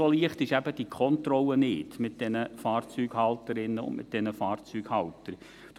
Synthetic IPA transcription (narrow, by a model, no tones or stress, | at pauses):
oliəχtɪʃæbəd̥ikχɔnt̪rɔlːənɪːdmɪt̚d̥ɛnəfɑːrt͡syːɡhɑltəɾɪnːəʊ̰ndmʔɪ̰t̚d̥ɛnəfɑːrt͡syːɡhɑltəɾ | d̥